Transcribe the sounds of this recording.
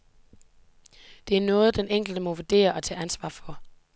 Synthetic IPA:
d̥e̝æɐnɔ̽ːð̞̩ˠd̥eneŋ̰ɡ̥l̩d̥əmɒ̽ʋoɐd̥e̝̰ːɐʔɒ̽t͡sʰɛ̰ːænsʋɑ̰̈ːfɒ̽

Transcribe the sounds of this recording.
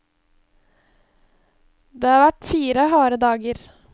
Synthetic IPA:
d̪eːhɑːɾʋæʈfiːɾəhɑːɾəd̪ɑːɡəɾ

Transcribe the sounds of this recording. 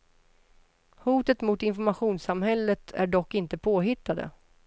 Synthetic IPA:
huːt̪ət̪mʊt̪ɪnfɔɾmaɧuːnsamhɛlːət̪ʰæ̰ɖɔkːɪnt̪əpʰoːɦɪt̪ːad̪ə̰

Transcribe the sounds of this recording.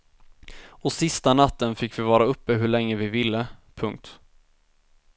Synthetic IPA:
ɔsɪst̪anat̪ːənfɪkːvɪvɑːɾaɵpːəɦɵɭɛŋːəvɪvɪlːəpʰɵŋk̚t̪

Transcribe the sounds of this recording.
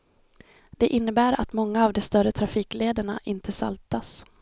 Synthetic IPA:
d̪̥ɛʔɪnːəbæːɾat̪mɔŋːaːvd̪ɔst̪œɾət̪ʰɾafiːkleːd̪əɳa̰ʔɪnt̪ʰəsa̰lt̪as

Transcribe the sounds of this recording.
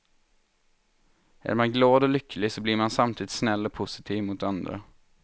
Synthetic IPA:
ʔæ̰ːɾmɑnɡlɑːd̪ɔːlʏkʰəl̩ɪsɔbliːɾmansamt̪ʰiːd̪ɪt̪snɛlːɔːpʰʊsɪ̥t̪ʰiːʋmuːt̪and̪ɾə̰

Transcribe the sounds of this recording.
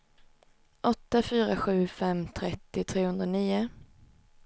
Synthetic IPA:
ʔɔt̪ːafyːɾaɧʉ̟ːfɛmt̪ʰɾɛt̪ːɪt̪ʰɾeːhɵnd̪ɾaniːʊ

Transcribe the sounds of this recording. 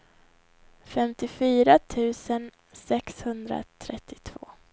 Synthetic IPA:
fɛmt̪ɪfyːɾat̪ʰʉ̟ːsən | sɛkshɵnd̪ɾa̰t̪ʰɾɛt̪ːɪ̥t̪ʰvo̰ː

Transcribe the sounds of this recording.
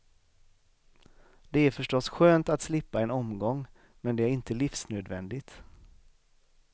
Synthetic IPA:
d̪̥ɛæɾfœʂʈɔsɧøːnt̪at̪slɪpːaɛnɔmɡɔŋː | mɛnd̪ɛæɾɪnt̪əlɪfsnøːd̪vɛnd̪ɪt̪

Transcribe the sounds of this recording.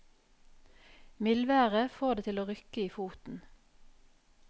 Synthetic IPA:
mɪlʋæːʁəfoːʁd̪eːt̪ʰɪloːʁʏkəiːfuːt̪n̩

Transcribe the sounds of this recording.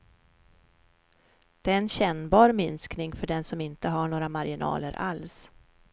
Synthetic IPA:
d̪̥ɛːɛnɕɛnbɑːɾmɪnsknɪŋfœɖɛnsɔmɪnt̪əɦaɳoːɾamaɾɪnɑ̰ːləɾʔa̰ls

